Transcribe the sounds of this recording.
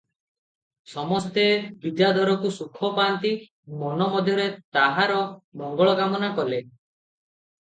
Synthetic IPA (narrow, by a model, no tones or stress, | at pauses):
sɔmɔst̪ebid̪jad̪ʱɔɾɔkusukʰɔpaːnt̪i | mɔnɔmɔd̪ʱjɔɾet̪aɦaɾɔmɔŋɡɔɭɔɡamɔnakɔle